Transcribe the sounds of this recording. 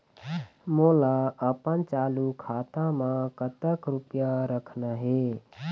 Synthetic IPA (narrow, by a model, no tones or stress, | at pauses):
molaəpənt͡ʃaːlukʰaːt̪ãmãkət̪əkɾupjaɾəkʰnaɦe